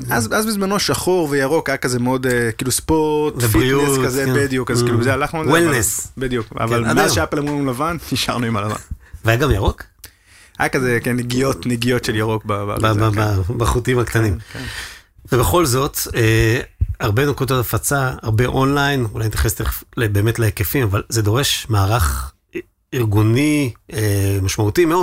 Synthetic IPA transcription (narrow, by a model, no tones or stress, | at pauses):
azazbizmano̞ʃaχoʁvejaʁo̞kajakazemeo̞dekiːluspoʁt̪vebfitiueskazebed̪jukazkiːluzealaχnuawilnesbed̪juka̰valadaʃaplemiimlavanniʃa̰ʁnuimalava̰nveajaɡamjaʁo̞k | ajakazekeneɡijo̞t̪neɡijo̞tʃeljaʁo̞k̚baba̰aababaχutimhakt̪animk | vebeχo̞lzo̞t̪e | aʁbe̞nokudotafat͡saa̰ʁbe̞ʔonlajnṵlajnt̪jaχest̪eχeflebe̞ːmetleekefimavalzed̪o̞ʁeʃmaːʁaχ | iʁɡuniemaʃmautimeod